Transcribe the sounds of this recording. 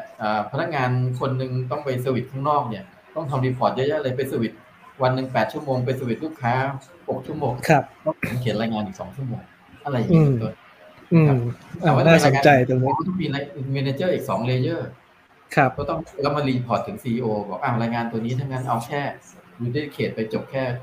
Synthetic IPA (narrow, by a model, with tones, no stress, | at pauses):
ʔəː˨˩pʰna˦˥k̚ŋaː˧nkʰo˧nːɯ˧ŋt̪̬ɔ˥˩ŋpa˧jseː˧wi˨˩t̪̚kʰa˥˩ŋnɔː˥˩k̚ni˥˩ɐ | t̪ɔ˥˩ŋt̪ʰa˧mɾiː˧pʰɔː˨˩t̪̚jɤ˦˥ʔʔa˧ɾa˧jp̬e˧nseː˧wi˨˩t̪̚ | wa˧nːɯ˨˧˩ŋpɛː˨˩t̪̚t͡ɕʰu˥˩əmoː˧ŋpe˧ns̬eː˧wi˨˩t̪̚luː˥˩kʰːaː˦˥ | ho˨˩k̚t͡ɕʰu˥˩moː˧ŋkʰa˦˥p̚t̪ɔ˥˩ŋʰ˩˦kʰi˨˩˦nɾaː˧jŋaː˧nʔiː˨˩k̚sɔ̰ː˩˦ŋt͡ɕʰu˥˩əmoː˧ŋ | ʔa˧ɾa˧jːʔːnt̪o˧n | n˧ɯː˧a˦pa˨˩waː˥˩naː˥˩ɾaː˧jŋaː˧t͡ɕa˧jka˥˩t̪ɔ˥˩ŋmiː˧la˧jɯ˨˩nwiː˧naː˧t͡ɕɤː˥˩ʔiː˨˩k̚sɔː˩˦ŋleː˧jɤː˥˩ | kʰa˦˥kɔː˥˩t̪ɔ˥˩ŋ˧˩lɛ˦˥wma˧liː˧pʰɔː˨˩t̪ʰːɯ˩˦ŋsiː˧ʔiː˧ʔoː˧bɔː˨˩k̚ʔaː˧˩wɾaː˧jŋaː˧nt̪u˧ɐniː˦˥t̪ʰaː˦˥˩ŋa˦˥nʔa˧wkʰɛː˥˩ɾuː˧de˥˩kʰeː˨˩t̪̚pa˧jt͡ɕo˨˩p̚kʰɛː˥˩